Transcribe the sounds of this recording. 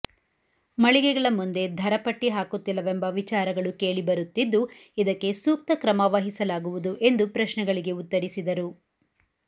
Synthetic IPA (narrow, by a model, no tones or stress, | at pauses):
mɐɭiɡɛɡɐɭɐmːund̪e̞d̪ʱɐɾɐpɐʈːiɦaːkut̪ːilːɐʋembɐʋit͡ʃaːɾɐɡɐɭuke̞ːɭibɐɾut̪ːid̪ːu | id̪ɐkːe̞suːk̚t̪ɐkɾɐmaːʋaɦisɐlaːɡuʋud̪uʔe̞nd̪upɾɐʃnɛɡɐɭiɡe̞ut̪ːɐɾisid̪ɐɾu